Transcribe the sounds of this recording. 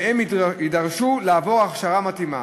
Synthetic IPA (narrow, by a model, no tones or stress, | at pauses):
hemidaʁʃulaːvo̞ʁaχʃaʁamat̪ima̰